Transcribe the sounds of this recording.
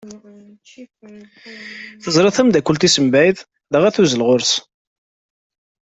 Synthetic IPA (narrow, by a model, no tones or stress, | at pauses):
θəzɾˤɑθəmd̪ækʷːəlt̪isəmbæjð | ðəʁæθuzəlʁʊɾs